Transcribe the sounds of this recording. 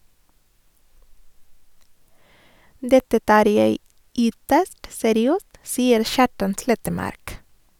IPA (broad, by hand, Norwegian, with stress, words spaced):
ˈdɛtə ˈtɑːɾ ˈjeɪ ˈʏtəst sɛɾɪˈøːst ˈsiːəɾ ˈʃɑːʈɑn ˈslɛtəˌmɑɾk